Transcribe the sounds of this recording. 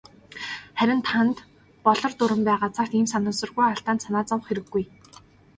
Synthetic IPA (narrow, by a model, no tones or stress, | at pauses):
χæɾʲɪ̆nt̪ʰant̪ | pɔɮɞ̆rt̪ʊɾə̆mpæːʁaːt͡sʰar̥t̪iːmsanʊ̆ːsɞ̆rɣujaɬt̪aːnsanaːt͡sɔw̆χxeɾɘ̆ɡːuj